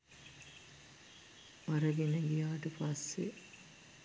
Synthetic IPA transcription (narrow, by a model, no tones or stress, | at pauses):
ʋaɾəɡenəɡijaːʈəpasːe